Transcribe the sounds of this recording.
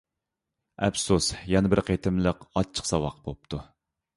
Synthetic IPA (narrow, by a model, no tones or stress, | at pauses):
ɛpsusjɛnɪbɪɾqʰet̪ʰɪmlˠəqɑt͡ʃʰːə̥qsɑwɑ̰qbop̚t̪ʰu